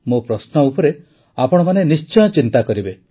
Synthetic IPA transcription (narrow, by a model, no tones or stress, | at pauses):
mopɾɔsnɔupɔɾe | apɔɽɔmanenist͡ʃɔj̃ɔt͡ʃint̪akɔɾibe